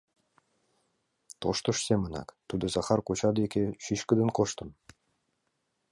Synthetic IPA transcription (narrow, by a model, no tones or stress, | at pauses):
t̪oʃt̪ŏʃsemənɑ̰kt̪ud̪ɤ̆zɑχɑrkut͡ɕɑd̪ekʲeʃyʃkɘ̆d̪ə̆nkoʃt̪ɤ̆m